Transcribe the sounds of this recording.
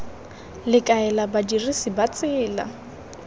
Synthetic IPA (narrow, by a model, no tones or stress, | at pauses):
lɪkʼaɛlabadirisibat͡sʼɪːla̰